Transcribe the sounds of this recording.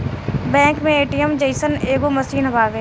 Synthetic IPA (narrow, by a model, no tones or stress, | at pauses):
bɛ̃ːŋkmẽeːʈijəmd͡ʒeɪsəneːɡomɐsiːnɦɐbaːʋeː